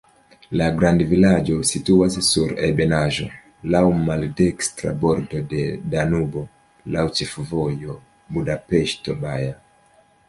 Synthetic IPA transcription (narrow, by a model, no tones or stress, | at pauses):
laɡɾandvilad͡ʒosituasesuɾɛbenaʒo̰ | lawmaldɛkstɾa̰bɔɾdodedanubo | lawt͡ʃifuvojo | budapɛʃtobaja